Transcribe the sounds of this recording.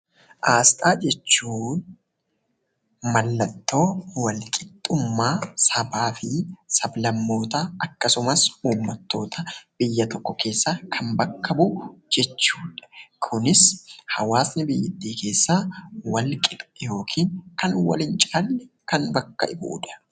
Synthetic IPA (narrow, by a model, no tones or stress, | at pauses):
ʔaːst̪ʼaːd͡ʒɛt͡ʃːuːn | mɐlːɐt̪ːo̞ːwɐlkʼɪt̪ʼːʊmːaːsɐbaːfɪsɐblɐmːo̞ːt̪aɐkːɐsʊmɐsuːmːɐt̪ːo̞ːt̪ʰɐb̥ɪjːɐt̪ɔkːɔkʰe̞ːsːaːkʰɐmbɐkːɐbʊd͡ʒɛt͡ʃːuːᶑɐ̥kʰʊnɪshɐ̰waːsnɪbɪjːɪt̪ːiːke̞ːsːaːwɐlkʼɪt̪ʼʊ̥jo̞ːkʰiːŋkɐnwɐ̰lɪnt͡ʃʼaːlːɛ | kɐnbɐkːɐ̰ʔɪbṵːᶑɐ̥